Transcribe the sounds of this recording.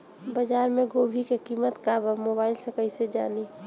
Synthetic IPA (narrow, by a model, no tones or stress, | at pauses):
bəd͡ʒaːɾmẽɡoːbʱikekiːmət̪kabəmoːbaːɪlsəkəɪsed͡ʒa̰ːni